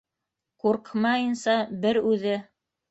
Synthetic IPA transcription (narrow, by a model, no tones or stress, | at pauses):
quɾqmɑjɤ̆nsɑbɘɾʉðɘ